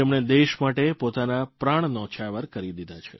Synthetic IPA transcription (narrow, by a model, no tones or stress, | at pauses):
emɳed̪eʃmaʈepot̪anapɾaɳ̃nɔ̃t͡ʃʰaʋəɾkəɾid̪id̪ʱat͡ʃʰe